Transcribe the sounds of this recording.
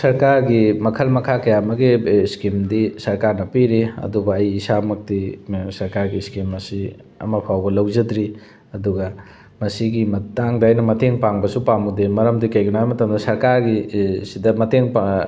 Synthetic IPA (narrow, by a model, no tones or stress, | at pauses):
sɐɾkaɾɡimɐkʰɐlmɐkʰakɐjamɐɡiskimdisɐɾkaɾnɐpiɾiɐ̰dubɐɐjːsamɐk̚tisɐɾkaɾɡiskimɐsi | ɐ̰mɐpʰawbɐlɐwzɐdɾi | ɐduɡɐ | mɐsiɡimɐtaŋdɐːjnɐmɐteŋpaŋbɐsupamudemɐɾɐmdikɐjɡunajmɐtɐmdɐsɐɾkaɾɡisidɐmɐteŋ